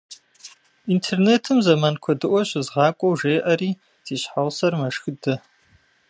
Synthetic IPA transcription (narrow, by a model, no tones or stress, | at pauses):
intʰerneːtʰɨmzɐmankʷʰɔdɨʔʷɔɕɪzʁɑːkʷʼɔwʒeːʔɐɾiː | z̥iːɕħaʁsɐrmɐʂxɨdɐ